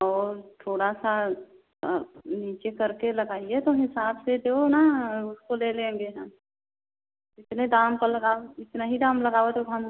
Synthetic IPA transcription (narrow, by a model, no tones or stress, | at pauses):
ɔːɾt̪ʰoːɽasa | niːt͡ʃekɐɾkelɐɡaːiet̪oɦɪsaːbsed̪eonaʊskoleːlẽːŋɡeɦɛ̃m | ɪt̪ned̪aːmkəlɐɡaːɪt̪naɦid̪aːmlɐɡaːet̪oɦɐm